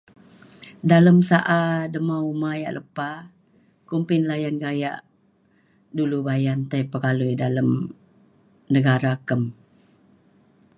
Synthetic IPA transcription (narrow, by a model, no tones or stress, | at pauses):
daləmsaʔadəmaumaja̰ʔlʔəpa | kumpɪnlajanɡaja̰ʔ | dulubajant̪ajpəkalujdaləm | nəɡaɾakəm